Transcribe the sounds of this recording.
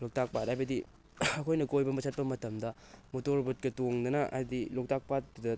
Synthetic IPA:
lok̚tak̚patajbɐdi | ɐkʰojnɐkojbɐmɐsʰɐt̚pɐmɐtɐmdɐ | motoɾbɐt̚kɐtoŋdɐnɐʔa̰jdilok̚tak̚pat̚dɐ

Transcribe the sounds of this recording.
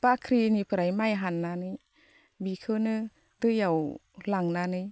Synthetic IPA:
pakʰɾinipʰɯɾajmajɦanːanɯ | bikʰɯnɯ | dɯjaw | laŋnanɯj

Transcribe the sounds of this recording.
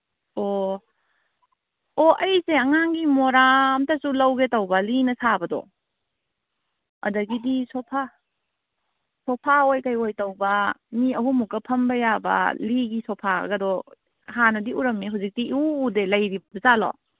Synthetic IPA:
o | oɐjseɐŋaŋɡimoɾamtɐsulɐwɡetɐwbɐlinɐsabɐdɔ̰ | ɐ̰dɐɡidisopʰa | sɔpʰaojkajojtɐwbɐmiɐɦumukːɐpʰɐmbɐjabɐ̰liɡisopʰa̰ɡɐdɔ | ɦanɐdiuɾɐmniɦuwzik̚tiuːdelɐjɾibɐbɐzalɔ̰

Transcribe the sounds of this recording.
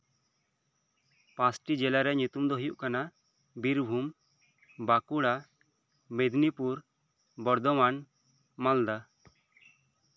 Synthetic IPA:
pãsʈid͡ʒɛlaɾɛɲut̪umd̪ɔɦujuʔkana | biɾbʱum | bakuɽa | med̪nipuɾ | bɔɾd̪ɔman | mald̪a

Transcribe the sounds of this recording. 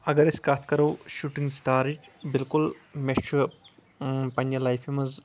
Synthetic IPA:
ɐɡɐɾeskat̪̚ʰkɐɾɐwʃuʈiŋɡsʈaːɾit͡ʃbilkulmet͡ʃuɐ | pɐnʲd͡ʒɐlajfʰimɐz

